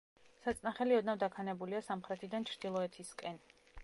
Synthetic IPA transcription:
sat̪sʼnaχɛliɔd̪navd̪akʰanɛbuliasamχɾɛt̪ʰid̪ant͡ʃʰɾd̪̥ilˠɔɛt̪ʰiskʼɛn

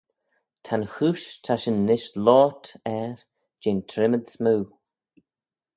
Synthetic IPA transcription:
tʰanxuːʃtʰaʃɪnːɪʃlɔːtʰɛɹ | d͡ʒeːntʰɾɪməd̪smuː

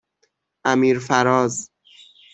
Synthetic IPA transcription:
ʔæmiːɾfæɾɒːz

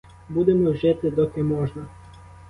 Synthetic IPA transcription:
bud̪ɛmɔwʒɪt̪ɪd̪ɔkɛmɔʒnɐ

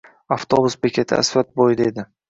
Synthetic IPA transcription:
aft̪ʰobʊsbekʲʰet̪ʰɪ̰a̰svat̪̚bojd̪aed̪ɪ

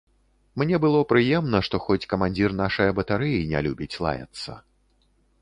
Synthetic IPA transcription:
mnʲɛbɨlˠɔpɾɨjɛmnɐʂt̪ɔxɔt͡sʲkɐmanʲd͡zʲirnaʂɐjɐbɐt̪aɾɨjinʲa̰lʲubʲit͡sʲlˠa̰jɐ̰t̪sːɐ̰

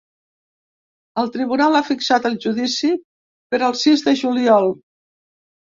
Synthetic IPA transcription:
əlˠt̪ɾiβ̞unalafiksat̪əlˠʒuðisi | pəɾəlˠsizðəʒuliɔlˠ

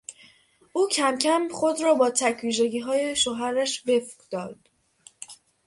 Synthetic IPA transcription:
ʔuːcʰæmcʰæmχo̞d̪ɾɒːbɒːt̪ʰæcʰviːʒe̞ɟiːɦɒːjeʃoɦæɾæʃbe̞fɡd̪̥ɒːd̪̥

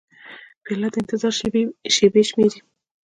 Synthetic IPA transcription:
pelad̪ɪnt̪ɪzɑɾʃebeʃmeɾi

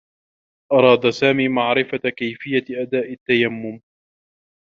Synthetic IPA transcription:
ʔɑɾˤɑːd̪asaːmiːmaʕɾɪfakajfɪjːaʔad̪aːʔɪt̪ːajamːʊm

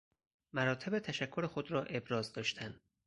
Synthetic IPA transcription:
mæɾɒːt̪ʰe̞bet̪ʰæʃækʰːo̞ɾexo̞d̪ɾɒːʔe̞bɾɒːzd̪ɒːʃt̪ʰæn

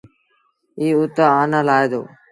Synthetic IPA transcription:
iːʊt̪aːaːnaːlaːed̪o̰ː

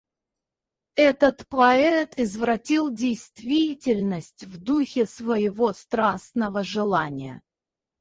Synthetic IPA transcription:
ɛt̪ət̪pɐɛt̪ɪzvɾɐtʲilˠdʲɪjst̪vʲitʲɪlʲnəsʲtʲvd̪uxʲɪsvəjɪvost̪ɾasnəvəʐɨlˠanʲɪjə̰

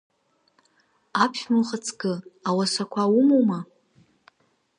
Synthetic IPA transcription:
apʰʃᶣmɨχat͡sʰɡɨawasakʷʰawumowma

